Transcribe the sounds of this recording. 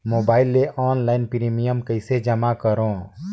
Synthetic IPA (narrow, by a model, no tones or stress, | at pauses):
moːbaːɪlːeʔʔɔːnlaːɪnpɾiːmijəmkəɪsed͡ʒəmakəɾõː